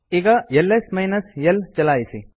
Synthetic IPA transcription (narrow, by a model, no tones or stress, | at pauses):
iɡɐjelːesmɐjnɐsjelt͡ʃɐlaːjisi